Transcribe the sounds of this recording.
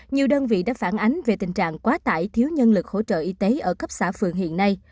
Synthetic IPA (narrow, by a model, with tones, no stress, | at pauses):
ɲi˨˩əwɗəː˧nvḭ˧˨ɗa̰ː˧˥faː˧˩nʔa˨˦ŋ̟ve˨˩t̪ï˨˩ŋ̟t͡ɕa̰ː˧˨ŋkwaː˨˦t̪a̰ː˧˩jt̪ʰi˨˦əwɲə˧nlɨ˨˩k̚ho̰˧˥˩t͡ɕə̰ː˧˨ʔi˧t̪e˨˦ʔəː˧˩kə˦˥p̚saː˧˩fɨ˨˩əŋɦḭ˧˨ənːa˧j